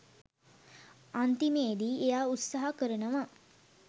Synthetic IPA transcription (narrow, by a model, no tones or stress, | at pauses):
ant̪imeːd̪iːejaːut̪saɦakəɾənəʋa